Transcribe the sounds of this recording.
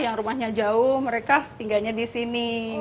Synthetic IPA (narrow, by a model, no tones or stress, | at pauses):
jaŋɾumahɲad͡ʒaʊhməɾekat̪iŋɡalɲadisini